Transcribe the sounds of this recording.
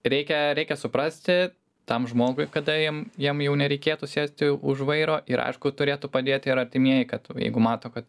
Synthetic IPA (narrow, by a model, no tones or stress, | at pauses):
ɾʲɛɪkʲɛɾʲɛɪkʲɛsʊpɾɐsʲt̪ʲɪ | t̪ɐmʒmoːɡʊɪkɐd̪ɐjiɛmjiɛmjɛʊnʲɛɾʲɛɪkʲeːt̪ʊsʲeːsʲt̪ʲɪʊʒʋɐɪɾoːʔɪɾɐ̰ɪʃkʊt̪ʊɾʲeːt̪ʊpɐd̪ʲeːt̪ʲɪɾɐrʲt̪ʲɪmʲiɛjɛkɐt̪jɛ̰ɪɡʊmɑːt̪oːkɐt̪